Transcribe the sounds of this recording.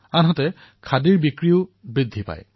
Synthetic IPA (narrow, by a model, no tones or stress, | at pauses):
anɦɔtɛ | kʰadiɹbikɹiʊbɹidʱːipa̰j